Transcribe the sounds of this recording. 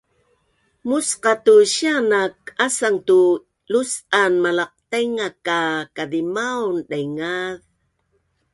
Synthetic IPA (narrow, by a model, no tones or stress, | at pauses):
musqɑtuɕianakasaŋtu | lusanmalɑq̚t̪ajŋakakaðimawnɗajŋað